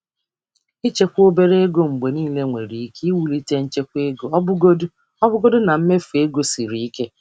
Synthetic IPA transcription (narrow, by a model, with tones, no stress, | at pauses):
i˦t͡ʃe˦kʷo˦be˦ɾe˦e˦ɡo˦ŋ͡m̩˨ɡ͡be˨niː˦˨le˦ŋʷe˨ɾi˨i˦ke˦wu˨li˦te˦n̩˦t͡ʃe˦kʷe˦ɡo˦bʊ˦ɡo˦dʊ˦ | ɔ˦bʊ˦ɡo˦dʊ˦na˨m̩˦me˦fe˦ɡo˦si˨ɾi˨i˦ke˦